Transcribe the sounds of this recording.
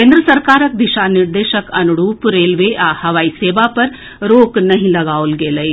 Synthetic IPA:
kẽːnd̪ɾəsɐɾkaːɾək̚d̪ɪʃanɪɾd̪eːʃəkɐnuɽuːpɾeːlʋeʔaːhɐʋaːiseːʋapɐɾ | ɾoːknɐɦĩlɐɡaːolɡeːləi

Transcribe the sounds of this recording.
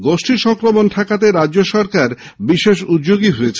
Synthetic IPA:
ɡoʃʈʰiʃɔŋkɾomonʈʰakat̪eɾad͡ʑːoʃɔɾkaɾ | biʃeʃud̪̚d͡ʑoɡiɦoet͡ɕʰ

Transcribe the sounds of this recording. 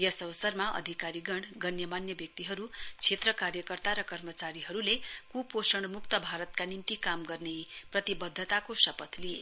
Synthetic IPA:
jʌsʌʋsʌrmaʔʌ̰d̪ʱikaɾiɡʌɳɖɡʌnjʌmanjʌbjʌk̚t̪iɦʌɾut͡sʰet̪rʌkaɾjʌkʌrt̪aɾʌkʌrmʌt͡saɾiɦʌɾulekuposʌɽmukt̪ʌbʱaɾʌt̪kanint̪ikamɡʌrneprʌt̪ibʌd̪ʱːʌt̪akosʌpʌt̪lije

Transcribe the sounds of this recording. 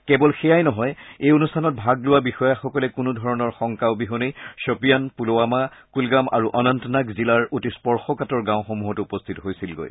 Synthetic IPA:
kɛbɔlxɛjajnɔɦɔjejonustʰanɔt̚bʱaɡlʊwabixɔjaxɔkɔlɛkʊnudʱɔɹɔnɔɹxɔŋkaʊbiɦonejsopijanpuloamakulɡamʔa̰ɹuʔɔnantɔnakzilaɹotispɔɹxɔkatɔɹɡãʊ̃xomuɦɔtuupɔstʰitɔɦojsilɡo̰j

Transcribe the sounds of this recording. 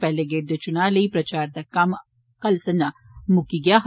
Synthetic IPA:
pɛɦleɡeːʈ̚d̪et͡ʃʊnaːlɐipɾɐt͡ʃaːɾd̪ɐkɐm | kɐlsɐna | mʊkiɡɐjaːɦ

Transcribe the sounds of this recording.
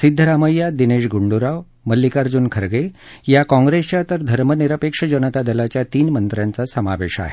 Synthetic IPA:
sid̪ʱːəɾaməjːad̪ineʂɡuɳɖuɾaʋ | məlːikaɾd͡zunkʰəɾɡejakɔ̃ŋɡɾest͡ɕjat̪əɾd̪ʱəɾməniɾəpekʂəd͡ʑənət̪ad̪əlat͡ɕjat̪iːnmənt̪ɾjãnt͡sasəma̰ʋḛɕa̰ɦe

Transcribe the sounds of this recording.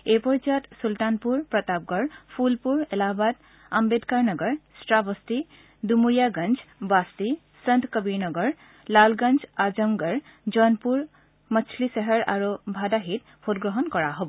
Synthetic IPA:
epəɾt͡ʃat̪sulʈ̪anpuɾpɾʌt̪ap̚ɡʌɾpʰulpuɾelabat̪ | ambed̪kaɾnʌɡʌɾsʈɾabʌst̪i | d̪umujaɡʌnd͡zbast̪i | sənt̪kʌbinʌɡʌɾ | lalɡʌnd͡zad͡ʒʌmɡʌɾ | d͡ʒʌnpuɾ | mʌt͡sʰlisʌɦəɾa̰ɾobʱad̪aɦit̪̚ | pʰot̪ɡɾʌɦʌnkʌɾaɦobo

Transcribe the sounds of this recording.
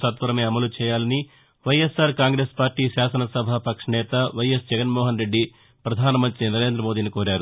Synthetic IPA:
sɐt̪ʋɐɾɐmeːɐmɐlut͡ʃɛːjaːlɐni | ʋɐjesːaːɾkaːŋɡɾeːspaːɾʈiːʃaːsɐnɐsɐbʱapɐkʂɐɳɛːt̪ɐʋɐjesd͡ʒɛɡɐnmɔːɦɐnɾe̞ɖːi | pɾɐd̪ʱaːnɐmɐnt̪ɾinɐɾe̞ːnd̪ɾɐmoːd̪iːnikoːɾaːɾu

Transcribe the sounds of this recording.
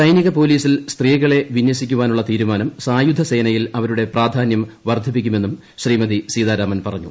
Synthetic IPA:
sɐjniɣɐpo̞ːliːsilst̪riːɣɐɭe̞ʋinjɐsikʲːuʋaːnuɭːɐt̪iːɾumaːnɐmsaːjud̪ʱɐse̞ːnɐjilɐʋɐɾuɽe̞praːd̪ʱaːnjɐmʋɐrd̪ʱip̬ːik̬ʲːume̞nːum | ɕriːmɐðisiːðaːɾaːmɐnpɐrɐɲːṵ

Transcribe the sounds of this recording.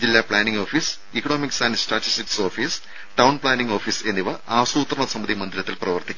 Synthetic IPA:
d͡ʑilːaːpɭaːniŋɡo̞ːfis | ikːɐno̞ːmiksaːnsʈaːʈːisʈikːsoːfis | ʈɐwnpɭaːniŋɡoːfise̞nːiʋɐʔaːsuːt̪rɐɳɐsɐmbɐd̪imɐnd̪iɾɐt̪ːilprɐʋɐrt̪ikʲːu

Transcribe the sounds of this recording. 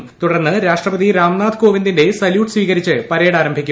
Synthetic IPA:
t̪uɽɐrnːɨɾaːʂʈrɐbɐd̪iɾaːmnaːd̪ko̞ːʋind̪inde̞sɐljuːʈɨ̥sʋiːɣɐɾit͡ɕːɨpɐɾeːɽaːɾɐmbʱikʲːu

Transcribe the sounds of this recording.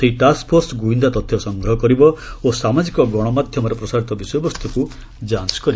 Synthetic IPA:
seɦiʈaspʰoɾsɡuind̪at̪ɔt̪ʰjɔsɔŋɡɾɔɦɔkɔɾibɔosamad͡ʒikɔɡɔɽ̃ɔmad̪ʱjɔmɔɾɔpɾɔsaɾit̪ɔbisɔjɔbɔst̪ʰɔku | d͡ʒanskɔɾibɔ

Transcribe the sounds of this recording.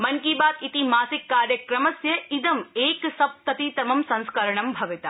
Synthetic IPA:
mɐŋkiːbaːt̪it̪imaːsikːaːɾjɐkɾɐmɐsjɐid̪ɐmeːksɐb̚t̪ɐt̪it̪ɐmɐmsɐ̃nskɐɾɐɳɐmbʱɐʋit̪ɐ

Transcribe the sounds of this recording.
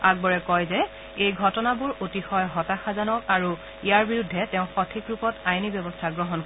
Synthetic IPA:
aɡ̚bɔɹɛkɔjzɛ | ejɡʱɔtɔnabuɹʔotixɔjɦɔtaxazanɔkaɹu | ijaɹbiɹudʱːɛtɛʊ̃xɔtʰikɹupɔtajnibɔbɔstʰaɡɹɔɦɔnk

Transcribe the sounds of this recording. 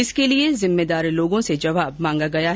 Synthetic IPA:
ɪskeliezɪmːed̪aːɾiloːɡõsed͡ʒɐʋaːbmãːŋɡaɡɐja

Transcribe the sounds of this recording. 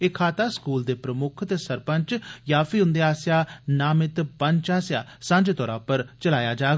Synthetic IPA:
ekʰaːt̪aːskuːld̪eːpɾəmʊkʰt̪eːsəɾpəɲt͡ʃjaːpʰiɦʊ̃nd̪eaːsjaːnaːmɪt̪pə̃ɲt͡ʃaːsjaːsə̃ɲd͡ʒt̪ɔːɾãːpəɾt͡ʃəlaːjaːd͡ʒaː

